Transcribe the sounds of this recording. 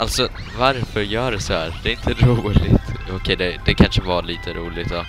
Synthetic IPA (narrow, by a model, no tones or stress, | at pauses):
ʔa̰lt̪sɔ | vaɾfœɾjœːɖɛsɔhæːɾd̪ɛːɾɪnt̪ʰəɾuːlɪt̪ɔkʰɛjd̪ɛd̪ɛkʰanʂəvɑliːt̪ʰəɾuːlɪɡ̚t̪d̪ɔ